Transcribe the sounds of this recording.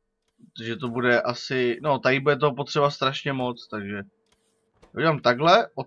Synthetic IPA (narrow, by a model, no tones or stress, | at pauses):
pɾot̪oʒɛt̪obudɛʔasɪno̞t̪ajibudɛt̪̬oɦopot̪r̥ɛbast̪ɾaʃɲɛmo̞t͡st̪aɡʒɛ | oɟɛlamt̪aɡɦlɛʔo